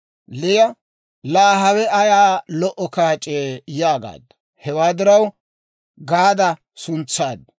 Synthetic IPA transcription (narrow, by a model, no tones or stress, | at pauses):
lɪjɐ | laːɦɐwɛɐjaːlɔʔɔkaːt͡ʃʼeːjaːɡa̰ːd̪ɐ | hɛwaːd̪ɪɾɐw | ɡaːd̪ɐ | sʊnt͡sːaːd̪